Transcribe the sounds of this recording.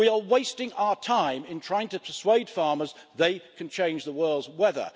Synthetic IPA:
wiəweɪstɪ̃ŋaʊə˞tʰãɪ̃mɪ̃ntʰɹ̥aɪɪ̃ŋtɨpʰəsweɪd̥fɑɹmə˞z | ðeɪkʰɨ̃n̩t͡ʃʰẽɪ̃nd͡ʒðəwɜ˞lˠdzwɛðə̰˞

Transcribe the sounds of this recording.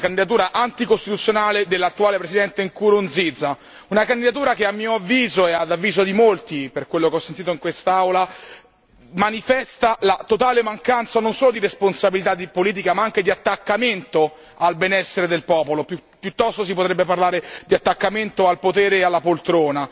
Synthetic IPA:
kand̪id̪at̪̬uːɾaʔant̪ikost̪it̪ut̪sːjonaːled̪elːat̪ːuaːlepɾesid̪ɛnt̪eŋkuɾond̪zid̪za | unakand̪id̪at̪uːɾakeamːiːoavːiːzoɛad̪avːiːzod̪imolt̪iperkwelːokeɔsːent̪iːt̪oiŋkwest̪aawla | manifɛst̪alat̪ot̪aːlemaŋkant̪sanonsoːlod̪iɾesponsabilit̪ad̪ipoliːt̪̬ikamaaŋk̟ed̪iat̪ːakːament̪o | albenɛsːeɾed̪elpɔːpolopupːjut̪ːɔst̪os̬ipot̪ɾɛbːeparlaːɾed̪iat̪ːakːament̪oalpot̪ɛːɾealːapolt̪ɾoːna

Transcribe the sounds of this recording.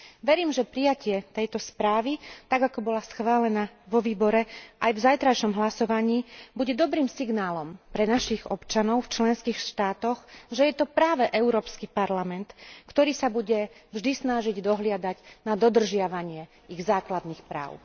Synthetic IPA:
ʋɛɾiːmʒɛpɾijacɪɛt̪ɛjt̪ɔspɾaːʋit̪aɡakɔbɔlasxʋaːlɛnaʋɔʋiːbɔɾɛʔajvzajt̪ɾaʃɔmɦlasɔʋaɲiːbuɟɛd̪ɔbɾiːmsiɡnaːlɔmpɾɛnaʃiɣɔ̰pt͡ʃanɔʊft͡ʃlɛnskiːxʃt̪aːt̪ɔɣʒɛjɛt̪ɔpɾaːʋɛʔɛʊɾɔːpskipaɾlamɛnt̪kt̪ɔɾiːsabuɟɛvʒd̪isnaʒiɟd̪ɔɦlɪad̪aɟnad̪ɔd̪r̩ʒɪaʋaɲɪɛ | iɣzaːklad̪nixpɾa̰ːʊ

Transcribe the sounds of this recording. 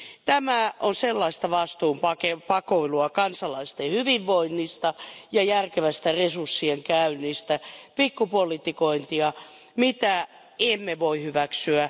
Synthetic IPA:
t̪æmæʔonselːɑist̪ɑʋɑst̪uːmpɑkepɑkoiluɑkɑnsɑlɑist̪ehyʋiʋʋoinːist̪ɑjɑjærkeʋæst̪æresursːieŋkæynːist̪æpikːupolit̪ikoint̪iɑ | mit̪æ | emːeʋoihyʋæksyæ

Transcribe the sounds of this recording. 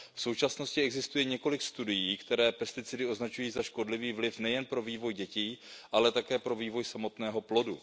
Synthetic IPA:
fso̞wt͡ʃasno̞scɪʔɛɡzɪst̪ujɛɲɛko̞lɪkst̪udɪjiːkt̪ɛɾɛːpɛst̪ɪt͡sɪdɪo̞znat͡ʃujiːzaʃko̞dlɪviːvlɪfnɛjɛnpɾo̞viːvo̞jɟɛciːʔalɛt̪akɛːpɾo̞viːvo̞jsamo̞t̪nɛːɦo̞plo̞du

